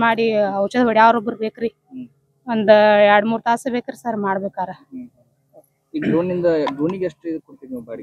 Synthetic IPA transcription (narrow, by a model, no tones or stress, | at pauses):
maːɽiɐwt͡ʃɐd̪ɐbɐɽijaːʋɾobːɐɾubeːkɾi | ond̪uɛɾɽmuːɾt̪aːsɐbeːkɐɾsɐɾmaːɽbeːkaːɾɐ | iɖoːnːind̪ɐɖoːniɡeɐʂʈed̪koɽt̪iʋbɐɽi